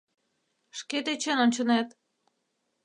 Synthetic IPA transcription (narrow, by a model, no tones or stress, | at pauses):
ʃket̪et͡ɕenonʲt͡ɕə̆net̪